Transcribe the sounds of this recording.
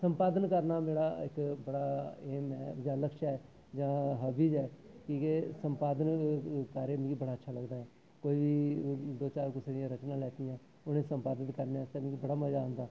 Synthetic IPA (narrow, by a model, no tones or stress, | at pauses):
səmpaːd̪ənkəɾnaːmeːɽaːɪ̰kbəɽaːeːmɛd͡ʒaːləkʃɛː | d͡ʒãːɦəbiːd͡ʒɛː | kĩːkesəmpaːd̪ənkaːɾeːmẽːɡibəɽaːətːʃʰaːləɡd̪aːɛː | koːiːʋiːd̪oːt͡ʃaːɾkʊsɾjãːɾət͡ʃnãːlɛːt̪iːjãː | ʊnẽːsəmpaːd̪ɪt̪kəɾnaːst̪emẽːɡibəɽaːməd͡ʒaːə̃nd̪aː